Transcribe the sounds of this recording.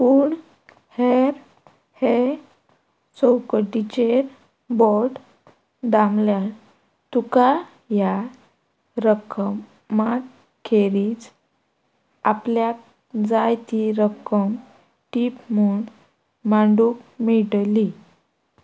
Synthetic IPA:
puːɳ | heɾ | he | sɔwkəʈit͡ɕeɾ | bɔʈ | d̪amlja | t̪uka | ja | ɾəkʰəmː | ak | kʰːeɾid͡z | apljak | d͡zajt̪iɾəkəm | ʈipmuːɳ | mãɳɖukmiʈli

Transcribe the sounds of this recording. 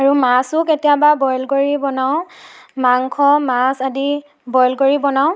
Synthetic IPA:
aɹumasʊketijababɔjlɡoɹibɔnaw̃maŋkʰɔmasadi | bɔjlɡoɹibɔnaʊ̃

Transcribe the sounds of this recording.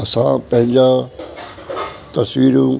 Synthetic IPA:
ɐsã̰pɐ̃ɦɪ̃ɲd͡ʑa | t̪ɐsʋiːɾũ

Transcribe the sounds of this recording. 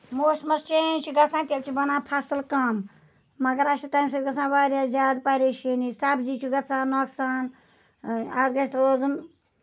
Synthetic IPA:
moːsmɐst͡ʃẽːnʲt͡ʃiɡɐt͡sʰãːt̪ʲɐkt͡ʃʰibɐnãːpʰasɨlkɐmː | ɐɡɐɾɐʃit̪ɐːmsɐɡɐt͡sʰãːʋaːɾaːzʲaːd̪pɐɾʲeːʃinisabziːt͡ʃʰiɡɐt͡sʰãːnːoːksaːn | ɐɾɡɐst̪ɾoːzɨm

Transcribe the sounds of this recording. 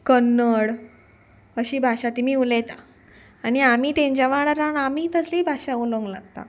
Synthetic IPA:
kənːəɽ | əɕiːbʱaɕat̪im̤iːulet̪a | aɽ̃iamiːt̪ẽɲt͡ɕjaʋaɽaɾaɳamiːt̪əsliːbʱaɕauləŋɡlaɡt̪a̰

